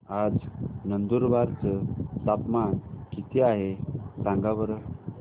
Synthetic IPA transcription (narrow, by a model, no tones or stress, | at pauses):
ad͡znənd̪uɾʋaɾt͡səsapmaɳkit̪ʰiaɦesãŋɡaʋəɾ